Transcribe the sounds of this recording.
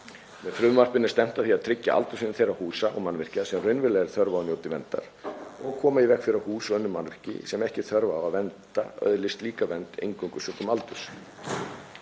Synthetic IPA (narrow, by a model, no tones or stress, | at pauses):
mɛðfɾʏvmar̥pɪnɪst̪ɛm̥t̪aθiaðt̪ʰɾɪcːa̰ʔa̰lt̪ʏsɪnθejɾahuːsaʔɔ̰ɣmanvɪr̥casɛmrʏjnvɪlɛɣɾθœɾvaɔnjowt̪ɪvɛnt̪a̰ɾ̥ɔɣkʰɔːmaivɛkfɪɾɪɾahuːsœnːʏmanvɪ̥r̥cɪ̰sɛmɛhcɪθœɾvaːwaðvɛnt̪a̰œ̰ðlɪst̪liːkavɛnt̪ḛjŋkʏŋkʏsʏkʏmalt̪ʏs